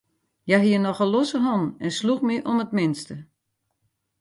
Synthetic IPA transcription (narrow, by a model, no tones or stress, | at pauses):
jaɦiənɔxəlosəɦɔnɛnsluxmɪʔɔnətmɪnstə